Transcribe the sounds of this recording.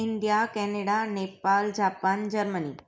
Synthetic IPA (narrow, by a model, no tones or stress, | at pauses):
ɪnd̪ijakɛneɽanepald͡ʒapand͡ʒəɾməni